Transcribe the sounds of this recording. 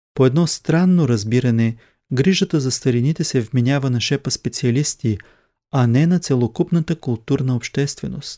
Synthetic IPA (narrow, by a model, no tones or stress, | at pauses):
poɛd̪nɔst̪ɾanːoɾɐzbiɾɐnɛ | ɡɾiʒət̪əzɐst̪ɐɾinit̪ɛsɛvminʲavənɐʃɛpəspɛt̪siɐlist̪i | ɐnɛnɐt̪sɛlˠokupnət̪əkʊlˠt̪uɾnəopʃt̪ɛst̪vɛnost̪